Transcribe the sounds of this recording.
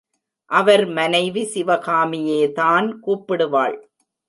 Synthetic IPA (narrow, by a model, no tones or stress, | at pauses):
ʔɐʋɐɾmɐnɐɪʋisɪʋɐɣaːmɪjeːðaːnkuːpːɪɽɯʋa̰ːɭ